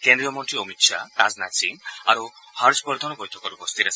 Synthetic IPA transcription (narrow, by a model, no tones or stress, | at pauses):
kend̪ɾiɔmɔɳʈɾiomit̪ʃʰat̪aznat͡ʃʰinaɾu | haɾd͡ʒpɔɾd̪ʱɔnɔbɔjt̪ʰɔkɔɾubɔst̪iɾas